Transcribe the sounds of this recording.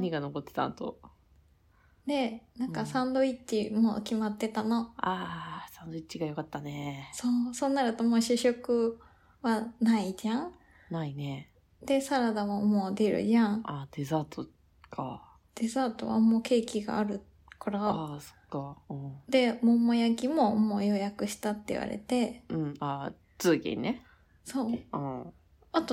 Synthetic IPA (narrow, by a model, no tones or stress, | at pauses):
ɲ̟iɡano̞ko̞t̪ːe̞̥t̪a̰nt̪o̰ | d̪e̞nãkasãnd̪o̞it͡ɕːimo̰ːkʲimat̪ːe̞t̪ano̞asãnd̪o̞it͡ɕːiɡajo̞kat̪ːaneso̞ːso̞ːnːaɾɯ̟t̪o̞mo̞ːɕɯɕokɯ̟ | βanaid͡ʑãŋ | naine | d̪e̞saɾad̪aβamo̞ːd̪e̞ɾɯ̟̰jãɴad̪̥e̞zaːt̪o | kʰa̰ | d̪̥e̞zaːt̪o̞̰βa̰mo̞ːke̞ːkʲiɡa̰ːɾɯ̟ | kʰoɾaso̥kːaɯ̃ɴd̪e̞momo̞jakʲimo̞moːjo̞jakɯ̟ɕi̥t̪at̪ːe̞ḭβa̰ɾḛt̪e̞ɯ̟̃ɴa | t͡sɨːɡʲḛ̃nne | so̞ːɯ̃ | at̪o